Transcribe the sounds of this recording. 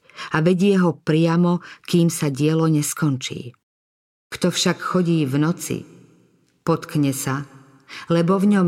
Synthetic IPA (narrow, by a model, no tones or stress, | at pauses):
aʋɛɟɪɛɦɔpɾɪamɔkiːmsaɟɪɛlɔɲɛskɔnt͡ʃḭː | kt̪ɔfʃakxɔɟiːvnɔt͡sḭ | pɔt̪kɲɛsa | lɛbɔvɲɔm